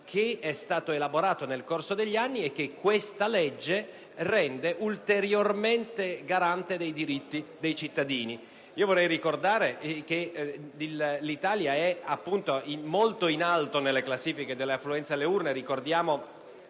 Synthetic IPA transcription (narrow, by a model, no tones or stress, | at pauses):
kʰeɛst̪aːt̪oelaboɾaːt̪onelkorsod̪eʎːanːiekːekːwest̪aled͡ʒːe | rɛnd̪eʔult̪eɾjorment̪eɡaɾant̪ed̪ejd̪iɾit̪ːid̪ejt͡ʃit̪ːad̪iːni | iːovorɛjrikord̪aːɾek̟eillit̪aːljaɛapːunt̪oimolt̪oinalt̪onelːeklasːiːfiked̪elːeafluɛnt̪seleurneɾikord̪jaːmo